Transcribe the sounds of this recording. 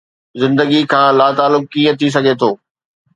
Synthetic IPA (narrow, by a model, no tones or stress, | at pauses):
zɪ̃nd̪əɡikʰãːlaːt̪aːlʊkːiːə̃t̪ʰis̬ɐɡet̪ʰoː